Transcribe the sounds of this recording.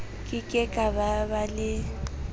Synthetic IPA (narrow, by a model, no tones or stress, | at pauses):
kʼɪkʼɛkʼababalɪ